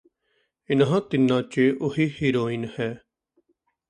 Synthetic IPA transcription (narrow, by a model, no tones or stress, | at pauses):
ɪnɦãːt̪ɪnːãːt͡ʃeʔʊɦiːhiːɾoːinhɛː